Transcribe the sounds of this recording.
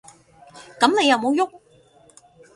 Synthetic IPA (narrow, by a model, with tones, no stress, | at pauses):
kɐ˨˥mne˨˧jɐ˨˧wmo˨˧wjʊ˥k̚